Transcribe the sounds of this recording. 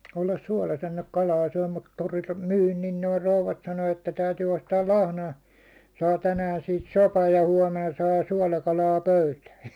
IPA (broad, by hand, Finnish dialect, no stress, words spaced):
olːɑs suɒlɑs enːeŋk kɑlɑː syæ̹ mut toriltɑ̥ myːn niːn noi rouʋɑt sɑno etːæ tæytyː ostɑːl lɑhnojɑ sɑː tænæːn̞ siːt sopɑj jɑ huɒmenɑ sɑː suɒlɑkɑlɑː pøytæː